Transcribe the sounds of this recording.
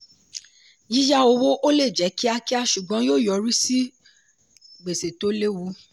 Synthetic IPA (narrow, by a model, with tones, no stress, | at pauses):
ji˨˦ja˦o˧wo˦ʔo˦le˦˨d͡ʒɛ˨˦ki˦a˧ki˦a˧ʃu˨ɡ͡bɔ̃˨˦joː˦˨jɔ˨˦ɾi˦si˦ | ɡ͡be˨se˨to˨˦le˦wu˧˦